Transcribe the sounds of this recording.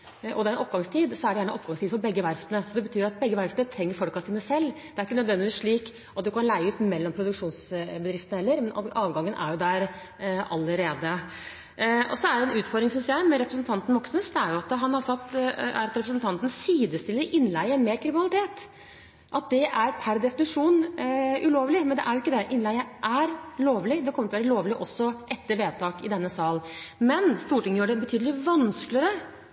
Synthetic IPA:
ʔɔ̰d̪ɛæɾɛnʔɔpːɡɑŋst̪ʰiːd̪sɔæɖɛjæːɳəʔɔpːɡɑŋst̪iːd̪fɔɾbɛɡːəʋæɾft̪ənəsɔd̪ɛbət̪ʰyːɾɑt̪̚bɛɡːəʋæɾft̪nət̪ʰɾɛŋːəɾfɔlkɑsiːnəsɛlːd̪̥ɛæɾɪkːənœd̪ʋɛnd̪ɪʋiːsʂɭiːk | ʔɑt̪̚d̪ʉkɑnlæɪəʉːt̪mɛlːɔmpʰɾʊd̪ʉkʂuːnsbəd̪ɾɪft̪ənəhɛlːəɾmɛnɑːʋɡɑŋːənʔæ̰ɾjʊd̪æɾ | ɑlːəɾeːd̪ə | ɔ̰sɔæɖɛɛnʉːt̪fɔɾd̪ɾɪŋsʏnsjæɪmɛɾɛpɾəsn̩t̪ʰɑnt̪n̩mɔksnəsd̪ɛæɾjʊɑt̪ɦɑnhɑsɑt̪ːæ̰ɾɑt̪ɾɛpɾəsn̩t̪ʰɑnt̪nsiːd̪əst̪ɪlːəɾɪnːlæɪəɾmeːɾkʰɾɪmɪnɑlɪt̪ʰeːt̪ | ʔɑt̪̚d̪ɛʔæɾpʰæɾd̪ɛfɪnɪʂuːnʉloːʋlɪmɛnd̪ɛ̰ʔæɾjʊɪkːəd̪ɛʔɪnlæɪəʔæɾloːʋlɪd̪ɛkʰɔməɾt̪ʰɔʋːɾəloːʋlɪʔɔsːɔʔɛt̪ːəɾʋeːt̪ʰɑːkɪd̪ɛnːəsɑːlmɛnst̪uːʈɪŋːjøːɖɛbət̪ʰyːd̪əlɪʋɑnsklɪəɾə

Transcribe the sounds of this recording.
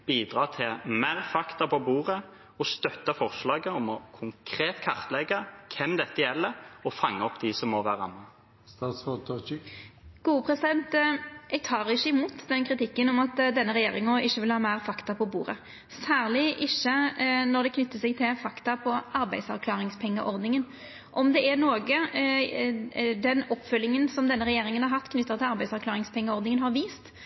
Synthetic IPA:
b̥iːd̪ɾɑːt̪ʰɪlmæːʁfɑkt̪ɑpʰɔbuːʁə | ɔst̪œt̪ːɑfɔʁslɑːɡəɔmɔkʰʊŋkʰɾeːt̪kʰɑʁt̪lɛɡɑkʰɛmd̪ɛt̪ːəjɛlːəɔfɑŋːəɔpd̪isɔmːɔʋæːʁɑmɑ | st̪ɑsɔt̪ | ɡ̥uːəpʰʁɛsɪd̪ɛnt̪ʔɛɡ̚t̪ʰɑːʁɪçːəɪmuːt̪d̪ɛnkʰɾɪt̪ɪkːənɔmɑt̪d̪ɛnːəɾɛjeːɾɪŋɔʔɪçːəʋɪlhɑːmæɪʁfɑkt̪ɑpʰɔbṵːɾə̰ | sæːʁlɪʔɪçːənɔɾd̪ɛkʰnʏt̪ːəsɛɡ̚t̪ʰɪlfɑkt̪ɑpʰɔɑɾbæɪd̪sɑʁkʰlɑːʁɪŋspʰɛŋːəʔɔʁd̪nɪŋən | ʔɔmd̪ɛʔɛnoːɡə | d̪ɛnɔpːfœlːɪŋənsɔmd̪ɛnːəʁɛjeːɾɪŋənhɑɾhɑt̪ːkʰnʏt̪ːət̪ʰɪlɑɾbæɪsɑʁkʰlɑːʁɪŋspʰɛŋːəɔʁd̪nɪŋənɦɑɾʋiːst̪

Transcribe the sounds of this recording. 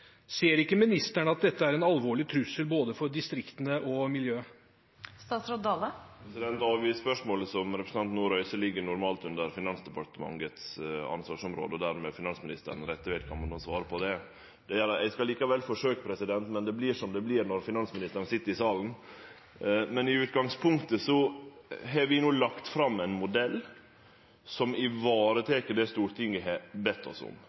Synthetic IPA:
seːəɾɪkːəmɪnɪst̪æɳəɑt̪̚d̪ɛt̪ːəæɾɛnɑlʋoːɭɪt̪ʰɾʉsːəlboːd̪əfɔɾɖ̪ɪst̪ɾɪkt̪ənəʔɔmɪljøːə | st̪ɑːt̪sɾod̪ɑːləɾɛsɪd̪ɛnt̪ɑːʋispœʂmoːləsɔmɾɛpɾsn̩ɑnt̪nuːɾœʏsəlɪɡːəɳʊɾmɑːlt̪ʉnd̪əɾfɪnɑnsd̪ɛpɑʈəmɑ̰ŋət̪sɑ̰nsʋɑːʂɔmɾo̰ːd̪əɔd̪æɾmɛfɪnɑnsmɪnɪst̪ə̰ɾən̩ɾɛt̪ːəʋɛːt̪kʰɑnmɑnɑsʋɑːɾəpʰɔd̪ɛ | d̪̥ɛæɾɑt̪ɛɪskɑliːkɑʋɛlfɔʂøːkəpʰɾɛsɪd̪ɛnt̪mɛnd̪ɛblɪʂɔmd̪ɛblɪɾnɔɾfɪnɑnsmɪnɪst̪əɾnsɪt̪ːəɾɪsɑːln̩ | mɛnɪʉːt̪ɡɑŋspʰʊŋkt̪əsɔ | ɦɛɾʋɪnuːlɑkt̪fɾɑmːæɪnmʊd̪ɛlː | sɔmɪʋɑːɾət̪ʰɛːkəd̪ɛst̪uːɾʈ̪ʰɪŋɡəɦɛbɛt̪ːɔ̰sʊ̰m

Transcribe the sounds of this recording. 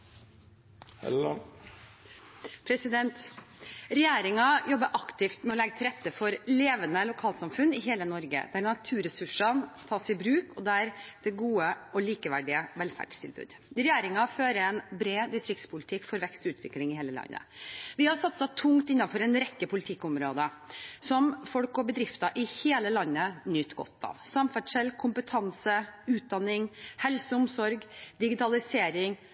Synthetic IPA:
pʰɾɛsɪd̪ɛnt̪ | ɾɛjeːɾɪŋɑjɔbːəʔɑkt̪ɪft̪mɛɔlɛɡət̪ʰɪlɾɛt̪ːəfɔɾleːʋənəlʊkʰɑːlsɑmfʉnːɪɦeːlənɔɾɡə̰d̪̥æɾnɑt̪ʰʉːɾɛsʉʂənt̪ʰɑːsɪbɾʉːkʰɔd̪æɾd̪̥ɛɡuːəɔliːkəʋæɖɪəʋɛlfæ̰ɖst̪ʰɪlbʉ̰ːd̪ɾɛjeːɾɪŋɑføːɾəɛnbɾeːd̪ɪst̪ɾɪk̚t̪spʰʊlɪt̪ʰɪkːfɔɾʋɛkst̪ʉːt̪ʰʋɪ̰klɪŋɪheːləlɑ̰nːə̰ʋɪhɑɾsɑt̪sət̪ʰʊŋt̪ɪnːɑfɔɾɛnɾɛkːəpʰʊlɪt̪ʰɪkːʊmɾoːd̪əsɔmfɔlkɔbəd̪ɾɪft̪ɑʔɪheːləlɑnːənʏt̪ɡɔ̰t̪ːɑ̰ʋsɑmfæɖʂɛlkʰʊmpət̪ʰɑnsəʉːt̪̚d̪ɑnːɪŋhɛlsəʊmsɔɾɡd̪ɪɡɪt̪ʰɑlɪseːɾɪŋ

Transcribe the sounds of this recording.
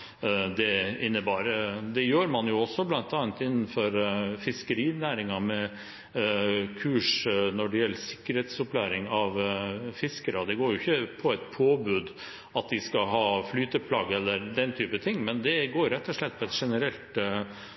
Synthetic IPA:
d̪ɛɪnːəbɑːɾd̪ɛjøːɾmɑnjʊɔsːɔblɑnt̪ɑːnt̪ɪnːn̩fɔɾfɪskəɾiːnæːɾɪŋɑmɛ | kʰʉːʂnɔɖɛjɛlːəsɪkːəɾheːt̪sɔplæːɾɪŋɑʋfɪskəɾɑd̪ɛɡoːɾjʊɪçːəpʰɔɛt̪pʰoːbʉːd̪ | ɑt̪̚d̪ɪskɑɦɑːflyːt̪əpʰlɑːɡɛlːəɾd̪ɛnt̪ʰyːpət̪ʰɪŋːmɛnd̪ɛɡoːɾɾɛt̪ːɔʂlɛt̪̚ːpʰɔɛt̪ʂɛnəɾɛlt̪

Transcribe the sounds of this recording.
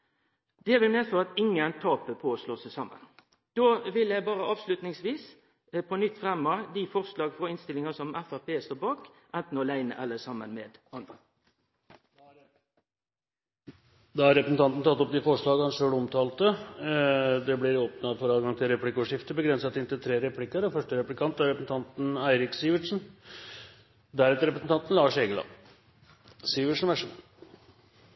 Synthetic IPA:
d̪̥ɛʋɪlmeːfoːɑt̪ɪŋənt̪ʰɑːpəpʰɔːsloːsæsɑmːə̰n | d̪̥oːʋɪljæɪbɑːʁəʔɑːʋslʉt̪nɪŋsʋiːs | pʰɔnʏt̪ːfʁɛmːɑd̪ifɔʁʂlɑːɡfʁɔɪnst̪ɪlɪŋɑsɔmæfæʁpʰeːst̪oːbɑːkʔænt̪n̩ɔlæɪnə̰ʔælːəsɑmːə̰nmḛːd̪ɑnd̪ʁə̰ | d̪ɑhɑɾɛpɾəsn̩t̪ɑnt̪n̩t̪ɑt̪ːɔp̚d̪ɪfɔʂɭɑːɡəhɑnʂøːɽəɔmt̪ʰɑːlt̪ə | d̪ɛblɪɾoːpnɑfɔɾɑːʋɡɑŋt̪ʰɪlɾɛpʰlɪkːɔʂɪft̪əbəɡɾɛnsɑt̪ɪnt̪ɪlt̪ʰɾeːɾɛpʰlɪkːəɾɔfœʂʈəɾɛplɪkʰɑnt̪d̪æɾɛpɾsn̩t̪ɑnt̪n̩æɪɾɪksiːʋəʈʂn̩ | d̪æɾɛːt̪əɾɛpɾəsn̩t̪ɑnt̪n̩lɑːʂeːɡəlɑ̰ː | siːʋəʂn̩ʋæʂən

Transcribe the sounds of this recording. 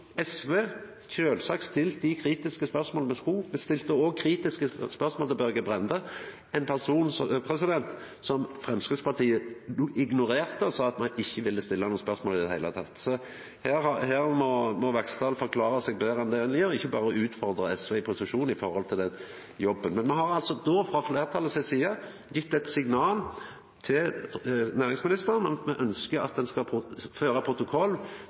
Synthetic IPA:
ɛsʋeː | çøːlsɑːkst̪ɪlt̪d̪ɪkʰɾiːt̪ɪskəspœʁsmoːləmɛskuːmɛst̪ɪlt̪əoːɡ̚kʰɾiːt̪ɪskəspœɾsmolɪbœɾɡəbʁɛnd̪ə | ɛnpʰæʁsuːnspʰʁɛsɪd̪ɛnt̪ | sɔmfʁɛmskɾɪd̪spɑt̪ʰiːəʔɪɡnʊɾeːʁt̪əɔsɑːɑt̪mɑnɪçːəʋɪlːəst̪ɪlːɑnuːənspœʁsmoːlɪd̪ɛhæɪət̪ʰɑt̪ːsɔ | hæːʁhɑhæːʁmɔmɔʋɛkst̪ɑːlfɔʁkʰlɑːɾəsɛːɡ̚b̪eːʁɑnd̪enlɪɾɔɪçːəbɑːɾəɔʉːt̪fɔɾd̪ʁəɛsʋɛɪpʰʊsɪʃuːn̩ɪfɔɾhɔlt̪ʰɪld̪ɛn | jɔbːənmɛnmɛɦɑʁɑlt̪sɔd̪oːfʁɑfleːɾʁt̪ʰɑlːəsɛsiːɑ | jɪt̪ːɛt̪sɪɡnɑːl | t̪ʰɪlnæːʁɪŋsmɪnɪst̪əɾənmɛʔœnskəɾɑ̰t̪̚d̪ɛnskɑpʰʊføːɾɑpʰʁʊt̪ʊkʰɔlː

